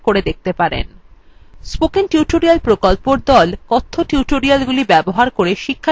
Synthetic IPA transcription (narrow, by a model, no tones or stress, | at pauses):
koɾed̪ek̚ʰt̪epaɾḛn | spokenʈuʈoɾialpɾokolpoɾd̪ɔlkɔt̪ʰːoʈuʈoɾialɡulibɛboɦaɾkoɾeʃikʰːa